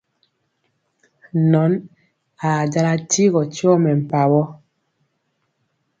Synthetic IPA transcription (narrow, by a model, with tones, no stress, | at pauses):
nɔ˨˦n | a˨d͡ʒa˦la˦ti˦ɣɔ˨tjɔ˦mɛ˨m̩˨pa˨bɔ˦